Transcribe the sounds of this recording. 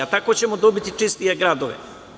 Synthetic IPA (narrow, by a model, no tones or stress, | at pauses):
at̪ako̞t͡ɕe̞mod̪o̞bit̪it͡ʂist̪ije̞ɡɾaːd̪oʋḛ